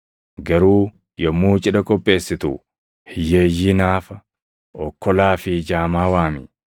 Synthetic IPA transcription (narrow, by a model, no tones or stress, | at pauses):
ɡɐɾuː | jɔmːuːt͡ʃʼɪᶑɐkʼɔpʼːe̞ːsːɪt̪ṵ | hɪjeːjːiːnaːfɐ | ɔkːɔlaːfɪd͡ʒaːmaːwaːmɪ